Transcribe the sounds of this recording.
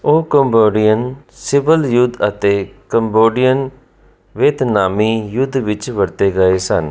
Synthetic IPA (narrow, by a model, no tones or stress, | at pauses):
oːkəmboːɖijən | sɪʋəljʊd̪ət̪eːkəmboːɖijən | ʋeːt̪naːmiːjʊd̪ʋɪt͡ʃʋəɾt̪eːɡəeːsən